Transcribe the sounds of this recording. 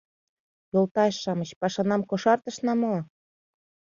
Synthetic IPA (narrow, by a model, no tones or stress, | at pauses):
jolt̪ɑʃʃɑmət͡ɕpɑʃɑnɑmkoʃɑrt̪ə̆ʃnɑmo